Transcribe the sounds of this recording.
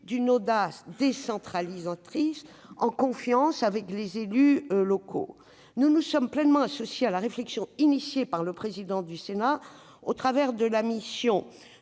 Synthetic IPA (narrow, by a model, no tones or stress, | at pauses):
d̪ynod̪asd̪esɑ̃t̪χalizat̪χisɑ̃kɔ̃fjɑ̃savɛklezelylɔkʰo̰ | nunusɔmplɛnmɑ̃asɔsjealaʁeflɛksjɔ̃inisjepaʁləpχezid̪ɑ̃d̪ysena | ot̪χavɛʁd̪əlamisjɔ̃